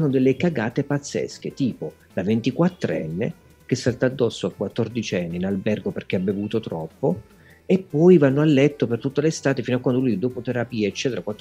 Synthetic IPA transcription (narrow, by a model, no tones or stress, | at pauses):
nːod̪elːekaɡaːt̪epat̪sːɛ̰sk̟et̪iːpo | lavent̪ikwat̪ːɾɛ̰nːḛ | k̟esːalt̪aːd̪ːɔsːoakwat̪ːord̪it͡ʃɛnːiinalbɛrɡoperk̟eabːevuːt̪ot̪ɾɔpːo | epːɔjvanːoalːɛt̪ːopert̪ut̪ːelest̪aːt̪efinoakːwand̪olujd̪oːpot̪eɾapiːeet͡ʃːɛːt̪eɾakwat̪ː